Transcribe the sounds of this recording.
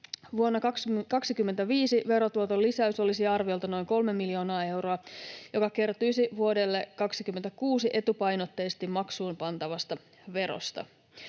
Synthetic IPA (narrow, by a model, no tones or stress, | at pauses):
ʋuonːɑkɑkɑksikymːent̪æʋiːsiʋe̞ɾo̞t̪uot̪olːisæyso̞lisiɑrʋiolt̪ɑno̞jŋko̞lme̞mːilio̞ːnɑːe̞wɾo̞ɑjo̞kɑke̞rt̪ujsiʋuo̞de̞lːekɑksikymːent̪ækuːsiʔe̞t̪upɑjno̞t̪ːe̞ːst̪immːɑksuːmpɑnt̪ɑʋɑst̪ɑ | ʋe̞ɾo̞̰st̪ɑ̰